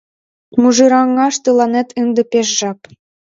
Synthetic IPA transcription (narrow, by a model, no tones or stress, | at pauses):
muʒɯɾɑŋːɑʃt̪ɤlˠɑnet̪ɯnd̪ɤ̆peʃʒɑp